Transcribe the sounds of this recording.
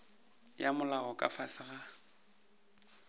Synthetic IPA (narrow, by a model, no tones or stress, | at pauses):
jamʊlaɣɔkʼa̰fasɪɣa